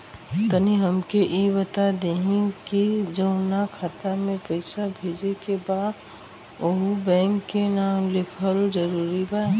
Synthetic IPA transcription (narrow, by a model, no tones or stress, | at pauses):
t̪əniɦɐmkeʔibət̪ad̪eɦĩkid͡ʒɐʊ̃nakʰat̪amẽpɐɪsabʱeːd͡ʒekebaːd̪ | oɦubɛ̃ːŋkːenaːmlɪkʰəld͡ʒɐɾuːɾibaː